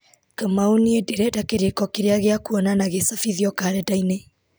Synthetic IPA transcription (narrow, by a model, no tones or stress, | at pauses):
kamaoniedeɾɛdakeɾekɔkeɾeaɣeakuɔnanaɣesafiðiɔkaɾɛdaine